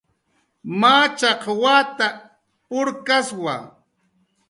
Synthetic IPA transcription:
maːt͡ʃɑqwaːt̪a | pʊɾkaswa̰

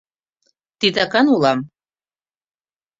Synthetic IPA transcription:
t̪it̪ɑkɑnulɑm

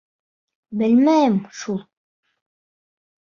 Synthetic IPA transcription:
bɘlmæjɘmʃulˠ

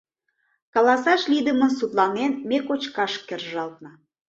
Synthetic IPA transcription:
kɑlɑsɑʃlid̪əmənsut̪lɑnenmekot͡ɕkɑʃkerʒɑlt̪̚nɤ̆

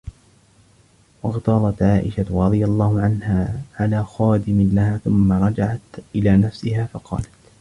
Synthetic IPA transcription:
wɑɣt̪ɑɾˤɑt̪ʕaːʔɪʃaɾˤɑd̪ˤɨjalˤːɑːhʊʕanhaːʕalaːxɑːd̪ɪmɪnlahaːθʊmːaɾˤɑd͡ʒaʕat̪ʔɪlaːnafsɪɦaːfɑqʰɑ̰ːlat̪

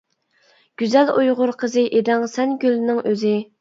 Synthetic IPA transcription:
ɡ̥ʲyzɛlujʁʊɾqʰəzɨʔed̪ɪŋsɛnɡʲylnɪŋʔøzɪ

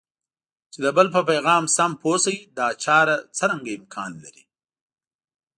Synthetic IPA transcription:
t͡ʃed̪əbəlpəpajɣɑːmsamposajid̪ɑt͡ʃɑːɾat͡səɾaŋɡaɪmkʰɑːnla̰ɾi

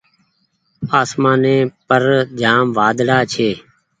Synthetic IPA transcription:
aːsmãːnẽːpəɾd͡ʒaːmʋaːd̪ɽaːt͡ʃʰeː

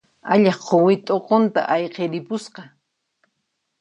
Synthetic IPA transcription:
a̰ʎɑχqʰowɪt̪ʼoqont̪a̰ʔajqeɾɪpʊsqɑ

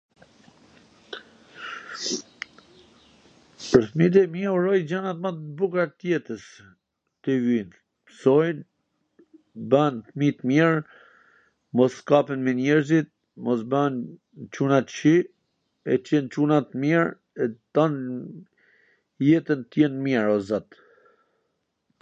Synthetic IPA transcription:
pəɾθmit̪̬ɛmiurɔjd͡ʑanat̪mat̪bukɾat̪jɛt̪əs | t̪əvin | sɔjn | banθmit̪miɾ | mɔskapɛnmɛnɛɾzit̪̚ | mɔs̬ban | t͡ʃunat̪t͡ʃi | ɛt͡ʃɛnt͡ʃunat̪miɾ | ɛt̪an | jɛt̪ənt̪jɛnmiɛɾɔzat̪

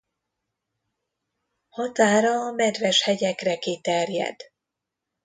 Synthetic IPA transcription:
hɒt̪aːɾɒːmɛd̪vɛʃhɛɟɛkrɛkit̪ɛrjɛ̰d̪̥

